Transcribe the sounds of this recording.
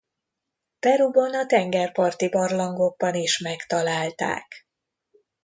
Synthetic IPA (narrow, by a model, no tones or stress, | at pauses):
pɛɾubɒnɒt̪ɛŋɡɛrpɒrt̪ibɒrlɒŋɡo̞ɡ̚bɒniʃmɛkt̪ɒlaːlt̪a̰ːk